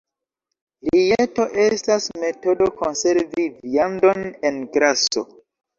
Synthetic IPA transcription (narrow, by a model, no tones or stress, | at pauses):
ɾieto̞ʔe̞stasme̞to̞do̞konse̞ɾviviando̞nenɡɾaso̰